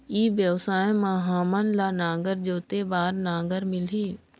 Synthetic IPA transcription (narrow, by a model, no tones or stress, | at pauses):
iːʋjəʋsaːjmaɦaːmənlaːnãːɡəɾd͡ʒoːt̪eːbaːɾnãːɡəɾmɪliː